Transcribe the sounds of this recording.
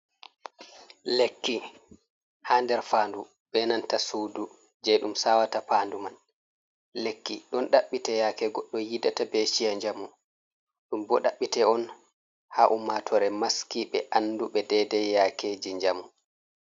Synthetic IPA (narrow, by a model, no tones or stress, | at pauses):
lekːi | haːndɛɾfaːndu | ɓɛnantasudu | d͡ʒɛɗumsawatapaːnduman | lekːiɗɔnɗaɓːitɛjakɛɡɔɗːɔjidatabeʃijaɲd͡ʒamu | ɗumbɔɗaɓːitɛɔn | haʔumatʰɔɾɛmaskiɓɛʔanːduɓɛdɛdɛjaked͡ʒiɲd͡ʒamu